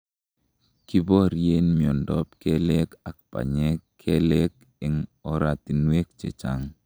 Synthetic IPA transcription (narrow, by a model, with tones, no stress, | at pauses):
ki˦bo˦ɾje˦nmi˨ɔ˨ndɔ˦pke˦le˦ka˨k̚pa̰˨ɲe˦kʰe˦le˦k̚ | ɪ˨ŋɔ˦ɾa˨t̪i˨nwe˦k̚t͡ʃḛ˨t͡ʃa̰˦ŋ